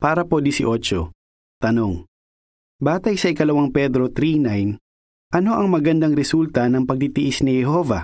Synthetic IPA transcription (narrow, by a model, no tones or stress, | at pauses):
paːɾɐpod̪ɪsɪʔot͡ʃo̰ | t̪ɐno̞ŋ | baːt̪ɐjsɐʔɪkɐlɐwaŋpɛd̪ɾo̞t̪ɾinajn | ʔɐno̞ʔɐŋmɐɡɐnd̪aŋɾɛsult̪ɐnɐŋpɐɡ̚t̪it̪ɪʔɪsnɪhɛɦo̞vɐ